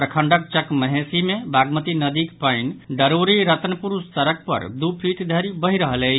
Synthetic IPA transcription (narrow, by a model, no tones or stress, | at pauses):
pɾəkʰəɳɖək̚t͡ʃəkməɦesimebʱaɡmət̪inəd̪ikpəjnɖəɾoɾiɾət̪nəpuɾust̪əɾək̚pə̰ɾd̪upʰiʈd̪ʱəɾibəɦiɾəɦələ